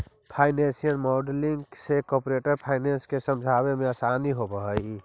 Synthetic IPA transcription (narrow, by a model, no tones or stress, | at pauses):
pʰaːɪnẽnsijənmɔɖliŋɡsekɔːpɾeʈəɾpʰaːɪnenskesəmd͡ʒʱaβemẽəsaniɦobəɦəj